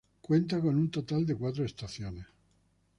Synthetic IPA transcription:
kwent̪̬akonunt̪ot̪ald̪ekwat̪ɾoest̪aθjones

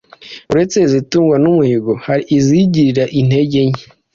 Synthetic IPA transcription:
uɾe̞t͡se̞zituːŋɡwanumuhiɡohaɾiːziɟiɾiɾaʔin̥he̞ɟe̞ɲe

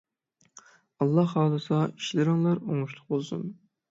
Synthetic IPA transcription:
ɑlˠːɑhɑːd̪ˠɨsɑiʃlɪɾɪŋlˠɑɾoŋuʃlˠʊq̚bolˠsṵm

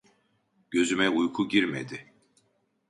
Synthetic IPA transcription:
ɟ̥ø̞zymɛujkʰuɟiɾmḛd̪ɪ

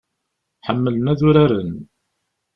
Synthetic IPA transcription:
ħəmːələnæðʊɾaɾən

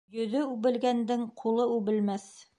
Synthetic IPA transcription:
jɵ̆ðɵʉβɘ̆lɡænd̪ɘŋqʰulˠɤʉβɘ̆lmæθ

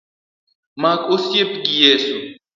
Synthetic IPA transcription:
mãːkosjepɡijeːsu

